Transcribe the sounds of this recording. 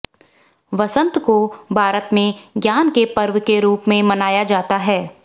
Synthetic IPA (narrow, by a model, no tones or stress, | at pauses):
ʋɐsə̃nt̪kobʱaːɾət̪mẽɡjaːnkepɐɾʋkeɾuːpmẽmɐnaːjad͡ʒaːt̪aɦɛː